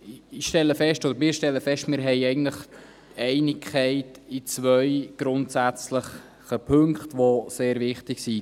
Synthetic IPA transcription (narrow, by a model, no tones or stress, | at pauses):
ɪʃtɛləfɛʃtod̪əɾmɪːɾʃtɛlːəfɛʃtmɪːɾɦɛɪɛɪɡntləχ | tɛɪnɪkʰχɛɪtit͡svœʏɡ̥ɾʊntsæt͡sləχ | əpʰɵŋkχtʋoseːɾvɪχtɪksi